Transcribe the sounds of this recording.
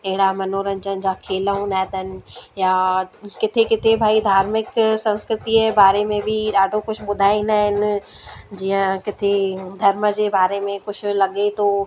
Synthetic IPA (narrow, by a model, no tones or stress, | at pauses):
ɐɦɪɽamɐnoːɾənd͡ʑənɪ̆d͡ʑaːkʰeːlɦũnd̪aːɦt̪əɦnɪ̆jaːkɪt̪ʰekɪt̪ʰebʱaːid̪ʱaːɾmɪksɐ̃nskɾɪt̪iebaːɾemẽbʱiɗaːɖʱokʊt͡ɕʰʊ̆ɓʊd̪ʱaːĩnaːɦɪn | d͡ʑiːə̃kɪt̪ʰed̪ʱɐɾməd͡ʑeːbaːɾemẽkʊt͡ɕʰʊ̆lɐɠet̪oː